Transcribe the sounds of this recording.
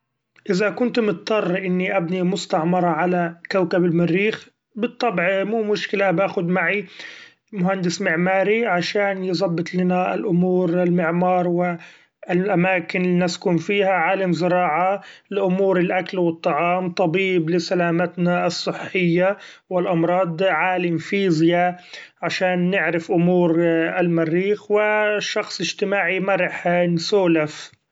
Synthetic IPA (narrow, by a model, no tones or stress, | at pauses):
ʔɪzakʊnt̪mʊt̪t̪ːˤɑrˤːʔɪnːiʔabnimʊst̪aʕmɑɾˤɑʕalakawkabɪlmɪrːiːx | bɨt̪ˤːɑbʕimuːmʊʃkɪlabaːxʊd̪maʕi | mʊhand̪ɪsmɪʕmaːɾiʕaʃaːnjzˤɑbːɨt̪ˤlɪnaɪ̰lʔʊmuːɾɪlmɪʕmɑːɾˤwɪ | lʔamaːkɪnlinaskʊmfiːhaʕaːlamzɪɾɑːʕalɪʔʊmuːɾɪlʔakalwɨt̪ˤːɑʕɑːmt̪ˤɑbiːblɪsalaːmat̪naɨsˤːɨħːɪjːa | wɪlʔɑmɾˤɑːd̪ˤʕaːlamfiːzjaʕaʃaːnːɪʕɾɪfʔʊmuːɾɪlmarːiːxwɪʃːɑxsˤɪʒt̪ɪmaːʕimaɾˤɑħnsuːlaf